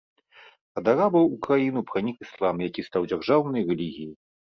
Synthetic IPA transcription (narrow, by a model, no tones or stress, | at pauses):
ɐd̪aɾabɐwukɾajinupɾanʲikɨslˠamjakʲist̪awd͡zʲarʐawnɐjrɛlʲiɣʲiji